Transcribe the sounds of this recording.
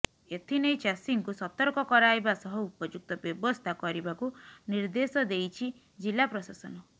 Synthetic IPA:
et̪ʰinejt͡ʃasiŋkusɔt̪ɔɾkɔkɔɾajbasɔɦɔupɔd͡ʒuk̚t̪ɔbjɔbɔst̪ʰakɔɾibakuniɾd̪esɔd̪ejt͡ʃʰi | d͡ʒilapɾɔsasɔnɔ

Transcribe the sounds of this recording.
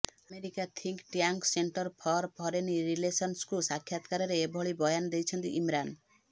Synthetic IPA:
ameɾikat̪ʰiŋkʈjaŋkseɳʈɔɾpʰɔɾpʰɔɾeniɾilesɔnskusakʰjat̪kaɾɔɾeːbʱɔɭibɔjanɔd̪ejt͡ʃʰɔnt̪ḭʔimɾan

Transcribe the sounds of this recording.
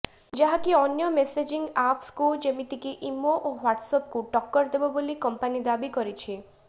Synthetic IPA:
d͡ʒaɦakiɔnjɔmesed͡ʒiŋɡapʰskud͡ʒemit̪ikiʔimoʔoɦwaʈsɔp̚kuʈɔkːɔɾd̪ebɔbolikɔmpanid̪abikɔɾit͡ʃʰi

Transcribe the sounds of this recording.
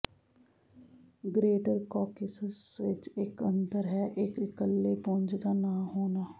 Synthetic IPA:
ɡɾeːʈəɾkɔːkɪsəsʋɪt͡ʃɪkə̃nd̪əɾɦɛːʔɪkɪkəlːeːpɔ̃ɲd͡ʒd̪aːnaːɦoːnaː

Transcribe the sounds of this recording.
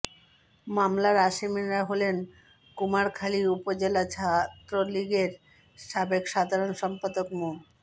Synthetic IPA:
mamlaɾaʃiminɾaɦolen | kumaɾkʰaliupod͡ʑelat͡ɕʰat̪ːɾoliɡeɾ | ʃabekʃad̪ʱaɾonʃɔmpad̪okmo

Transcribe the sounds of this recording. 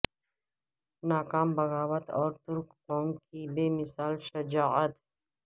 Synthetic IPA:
naːkaːmbɐɣaːwət̪ɔːɾt̪ʊɾk | õːŋkibeːmɪsaːlʃɐd͡ʒaːət̪

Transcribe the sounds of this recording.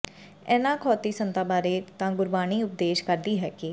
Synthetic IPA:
ɛːnãːkʰɔːt̪iːsənt̪aːbaːɾeːt̪ãːɡʊɾbaːniːʊp̚d̪eːʃkəɾd̪iːɦɛːkɪ

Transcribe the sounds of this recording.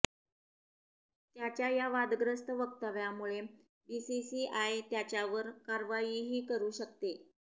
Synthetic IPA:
t̪jat͡ɕjajaʋad̪ɡɾəst̪əʋək̚t̪aʋjamuɭe | bisisiʔaet̪jat͡ɕjaʋəɾkaɾʋajiːɦiːkəɾuːɕəkt̪e

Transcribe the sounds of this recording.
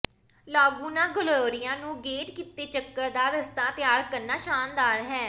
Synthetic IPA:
laːɡuːnãːɡəloːɾɪjãːnũːɡeːʈkit̪eːt͡ʃəkːəɾd̪aːɾəst̪aːt̪ɪjaːɾkəɾnaːʃaːnd̪aːɾɦɛː

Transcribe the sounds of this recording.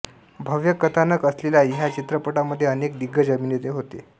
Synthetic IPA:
bʱəʋjəkət̪ʰanəkəslelaɦjat͡ɕit̪ɾəpəʈaməd̪ʱːjeənek̚d̪iɡːəd͡ʑəminjet̪eɦot̪ḛ

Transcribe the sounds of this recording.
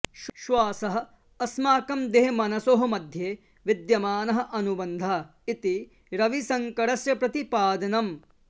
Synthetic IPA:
ʃʃʋaːsɐɦɐ̆ | ɐsmaːkɐmd̪eɦemɐnɐsoɦɐmɐd̪ʱjeː | ʋid̪jɐmaːnɐɦɐ̆ʔɐnubɐnd̪ʱɐ | it̪i | ɾɐʋisɐŋkɐɽɐsjɐpɾɐt̪ipaːd̪ɐnɐm

